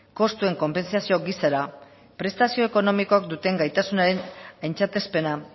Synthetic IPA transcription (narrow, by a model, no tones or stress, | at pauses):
ko̞st̪ue̞ŋko̞mpe̞nsasio̞ɡisaɾa | pɾe̞st̪asio̞eko̞no̞miko̞akd̪ut̪e̞ŋɡajt̪asunaɾe̞najnt͡sat̪e̞spe̞na